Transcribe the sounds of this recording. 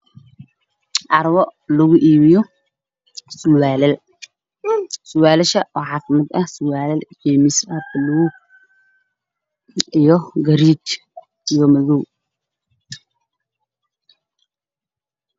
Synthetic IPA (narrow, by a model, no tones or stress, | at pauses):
ʔɐɾwɔlɐɣʊʔiːmɪjɔ | sʊwaːlɛl | sʊwaːlɛʃɐʔɔːħɑːfɪmɐd̪ɐhsʊwaːlɛljɛːmɪsɐbɐluw | ijɔɡɐɾiːt͡ʃ | ijɔmɐðɔw